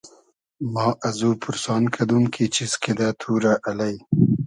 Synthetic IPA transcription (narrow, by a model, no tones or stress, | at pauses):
mɑːʔazupʰʊɾsɑːnkʰad̪uŋkʰit͡ʃiskid̪at̪ʰuɾaʔalaj